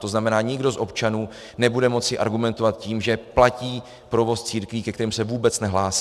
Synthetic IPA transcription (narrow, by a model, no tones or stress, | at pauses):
t̪o̞znamɛnaːɲɪɡdo̞zʔo̞pt͡ʃanuː | nɛbudɛmo̞t͡sɪʔa̰ɾɡumɛnt̪ovat̪̚ciːmʒɛplaciː | pɾo̞vo̞st͡siːɾkviːkɛkt̪ɛɾiːmsɛvuːbɛt͡snɛɦlaːsi̥